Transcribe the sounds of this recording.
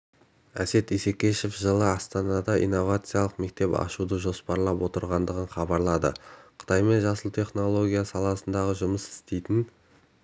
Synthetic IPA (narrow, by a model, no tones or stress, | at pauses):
æ̰se̞t̪ise̞kʲe̞ʃefʒəlˠəɑst̪ɑnɑd̪ɑʔḭjnːo̞vat̪sɨjalˠəqme̞k̚t̪e̞pɑ̰ʃud̪əʒo̞spɑɾlˠɑpwo̞t̪əɾʁɑnd̪əʁəɴχɑbɑɾlˠɑd̪ə̰qʰə̥t̪ʰɑjme̞nʒɑsəlˠt̪ʰe̞χno̞lˠo̞ɡʲijasɑlˠɑsənd̪ɑʁəʒʊməsɪ̥st̪e̞jt̪ɪn